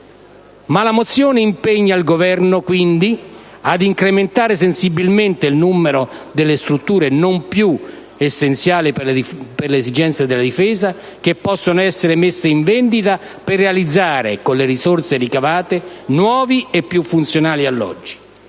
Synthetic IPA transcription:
malamot̪sːjoːneimpeɲːailɡovɛrnokwind̪i | ad̪iŋkɾement̪aːɾes̬ensibilment̪eilnumːeɾod̪elːest̪ɾut̪ːuːɾenompju | esːent̪sjaːlipperlezid͡ʒɛnt̪sjad̪elːad̪ifɛːza | kepːɔsːonoɛsːeɾemesːeiɱvɛnd̪it̪a | perːealid̪zːaːɾḛkonleɾisort̪seɾikavaːt̪enwɔːviepːjufːunt̪sjonaːlialːɔ̰d͡ʒːi̥

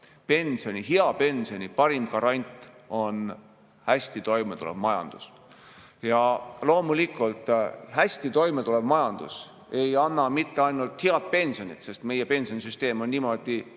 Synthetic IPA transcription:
pe̞nʲsio̞nʲiɦiɑpe̞nʲsio̞nʲipɑɾimkɑɾɑnʲt̪ːˑo̞n | hæsʲt̪it̪o̞jmet̪uleb̥mɑjɑ̰nd̪̥ṵs | jɑlo̞ːmulikːˑult̪ˑhæsʲt̪it̪o̞jmet̪uleb̥mɑjɑnd̪̥ṵs | e̞jɑnːɑmit̪ːeɑjnult̪hiɑt̪̚pe̞nʲsionʲit̪se̞st̪me̞jepe̞nʲsionʲisyst̪e̞ːmo̞nːiːmo̞d̪̥i

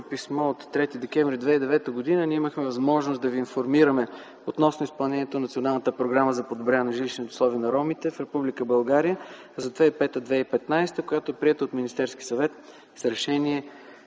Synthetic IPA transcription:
pismɔot̪ːɾɛt̪id̪ɛk̟ɛɱvɾid̪vɛid̪ɛvɛt̪əɡod̪inəniɛiməxmɛvɐzmɔʒnosd̪ɐviːnfoɾmiɾəmɛ | ot̪nɔsnoʊispɐlˠnɛnʲiɛt̪onɐt̪sionalˠnət̪əpɾoɡɾaməzɐpod̪obɾʲaɛnɐʒiliʃnit̪ɛʊ̥slˠɔviənɐɾɔmit̪ɛfɾɛpublikəbɐlˠɡaɾijə | zɐd̪vaipɛt̪əd̪vɛipɛt̪najst̪əkoʊjat̪oɛpɾiɛt̪əot̪minist̪ɛɾskisɐvɛt̪ | sɾɛʃɛniɛ

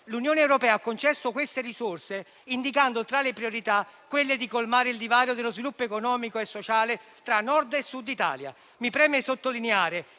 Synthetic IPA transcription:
lunjoːneɛwɾopɛːaakːont͡ʃɛsːokwest̪erisʊrse | ind̪ik̬and̪ot̪ɾalepɾioɾit̪akːwelːed̪ikolmaːɾɪild̪ivaːɾjod̪elːozvilupːoekonɔːmikoesːot͡ʃaːlɪ | t̪ɾanːɔrd̪esːud̪ːit̪a̰ːlja̰ | mipɾɛːmesot̪ːolineaːɾe

